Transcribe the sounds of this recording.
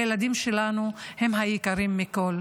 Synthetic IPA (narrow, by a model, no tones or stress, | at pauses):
jelad̪imʃe̞lanuhe̞mɦajikaʁimːiko̞l